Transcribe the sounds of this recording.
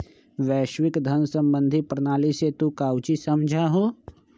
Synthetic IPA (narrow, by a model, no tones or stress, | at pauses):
ʋɛːʃwɪkd̪ʱənsə̃mbə̃nd̪ʱipɾənaːliset̪ukaːwt͡ʃisɐmd͡ʒʱaɦoː